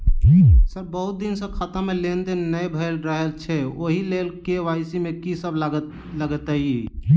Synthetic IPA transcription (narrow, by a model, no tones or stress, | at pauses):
səɾbəɦut̪̚d̪insə̃kʰat̪ãmelend̪enːəjbʱəjlɾəɦelt͡ʃʰɛoɦilelkeʋajsimẽkisəb | ləɡət̪əi